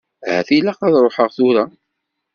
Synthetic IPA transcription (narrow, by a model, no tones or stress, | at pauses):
hæ̰θilæqɑðˤɾˤoħəʁθʊɾa